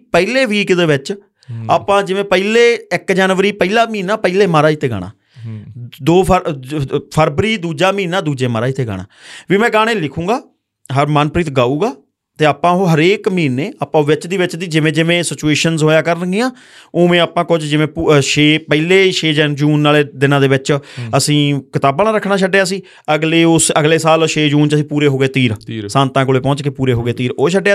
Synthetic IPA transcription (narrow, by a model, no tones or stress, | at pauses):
pɛileːʋiːkd̪eːʋɪt͡ʃ | aːpãːd͡ʒɪʋẽːpəileːɪkd͡ʒaːnʋəɾiːpəilaːmiːnaːpəileːmaːɾaːit̪ːeːɡa̰ːɽ̃a̰ː | d̪oːpʰə | pʰəɾbɾiːd̪uːd͡ʒaːmĩːnaːd̪uːd͡ʒeːmaːɾaːit̪ʰeːɡa̰ːɳ̃a̰ːʋiːmɛ̃ːɡaːɽ̃ẽːlɪkʰũːɡaː | ɦəɾmaːnpɾiːt̪ɡaːuːɡaː | t̪eːaːpãːɦoːɦəɾeːkmiːneːaːpːãːʋɪt͡ʃd̪iːʋɪt͡ʃd̪iːd͡ʒɪʋẽːd͡ʒɪʋẽːsɪt͡ʃueːʃənzɦoːjaːkəɾənɡɪːãː | oːmẽːaːpãːkʊt͡ʃd͡ʒɪʋẽːpʃeːpɛileːʃeːd͡ʒɛːnd͡ʒuːnːaːleːd̪ɪnãːd̪eːʋɪt͡ʃəsĩːkɪt̪aːbaːnãːɾəkʰːnaːʃ̬əɖeːaːəsĩː | əɡleːʊsəɡleːsaːlʃeːd͡ʒuːnt͡ʃəsĩːpuːɾeːɦoːɡeːt̪iːɾsãːnt̪ãːkoːleːpɔ̃ːt͡ʃkepuːɾeːɦoːɡeːt̪iːɾoːʃ̬əɖe